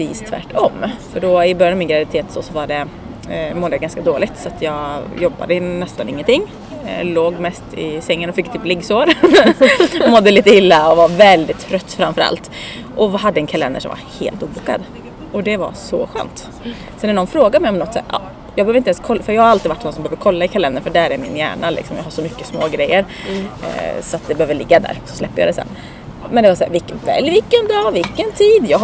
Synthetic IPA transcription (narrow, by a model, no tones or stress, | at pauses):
iːst̪ʰvæ̰ʈʰːɔmfœɖɔɪbœɾjnamɪnɡɾavɪɪt̪ʰeːt̪sɔsɔvaɖɛ | mɔd̪əjaɡanskad̪oːlɪt̪sɔat̪jɑːɡjɔbːa̰d̪ənɛst̪anɪŋːənt̪ʰɪŋː | loːɡmɛst̪ɪ̰sɛŋːənɔfɪkːt̪ʰɪplɪɡsoːɾ | mɔd̪ːəliːt̪əɪlːaɔvaɾvɛld̪ɪt̪ʰːɾœt̪ːfɾamfœɾa̰lt̪ | ʔɔɦad̪ːəɛnkʰalɛ̰nd̪ə̰ʂɔ̰mva̰hḛːlt̪uːbuːkːa̰d̪ | ɔd̪ɛva̰sɔ̰ɧø̰ːnt̪ | sɔnænɔnfɾoːɡad̪mɛɪjɔmnɔt̪sɛ̰t̪ːɑ̰ː | jɑɡbɛøːvɾɪnt̪ɛnskʰɔlːfœɾjɑːhaɾalt̪ɪvaʈːnɔnsɔmbɛøːvd̪əɾkʰɔlːaɪkʰalɛnd̪əɾfœɖæɾæɾmɪ̰njæ̰ːɳalɪ̰ksɔmjɑːhaʂɔmʏkːəsmoːɡɾɛjːəɾ | sɔat̪̚d̪ɛbɛhøːvd̪əɭɪɡːad̪æ̰ːɾsɔ̥slɛpːəjɑ̰d̪ɛsɛ̰nː | mɛnd̪ɛvasæːɾvɪkːvɛ̰lvɪkːənd̪ɑːvɪlkːənt̪ʰiːd̪jɑː